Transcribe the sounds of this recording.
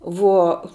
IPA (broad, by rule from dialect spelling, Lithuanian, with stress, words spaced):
ˈʋuɔ